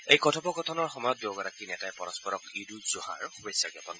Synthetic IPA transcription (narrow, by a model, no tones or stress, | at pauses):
ejkɔtʰɔbɔɡɔtʰɔnɔɹxɔmɔjɔt̚boɡɔɹakinɛtajpɔɹɔspɔɹɔkiduzuɦa̰ɹxubejsːaɡapɔn